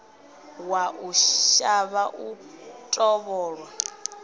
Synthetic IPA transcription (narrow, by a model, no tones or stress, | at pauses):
waʔuaβaʔutʼɔβɔːɺwa